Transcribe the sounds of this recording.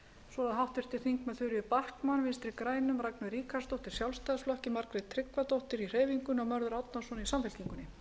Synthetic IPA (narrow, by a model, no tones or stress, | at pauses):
svɔlaðɦawht̪vɪr̥t̪ɪɾ̥θiŋkmɛðθʏɾjʏpahkmanvɪnst̪ɾikɾaːjnʏmraknʏɾiːkʰast̪owht̪ɪɾ̥sjawlst̪aːðsflɔhcɪmaɾkɾɪðt̪ʰɾɪkvat̪owht̪ɪɾir̥eːjviŋkʏnɔɣmœɾðʏɾawt̪̚nasɔnisamfɪl̥ciŋkʏnːɪ